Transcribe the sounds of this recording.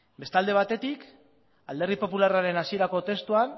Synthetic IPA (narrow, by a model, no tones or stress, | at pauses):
be̞st̪ald̪e̞β̞at̪e̞t̪ik | ald̪e̞ripo̞pularaɾe̞nasie̞ɾako̞t̪e̞st̪uan